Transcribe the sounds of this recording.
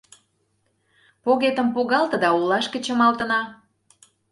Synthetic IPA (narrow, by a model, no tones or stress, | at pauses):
poɣet̪ə̆mpuɣɑlt̪ə̆d̪ɑulɑʃkə̆t͡ɕə̆mɑlt̪ə̆nɑ